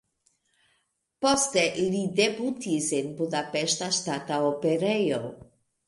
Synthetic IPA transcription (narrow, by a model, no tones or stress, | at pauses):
postelidebutisenbudapeʃtaʃtataopeɾejo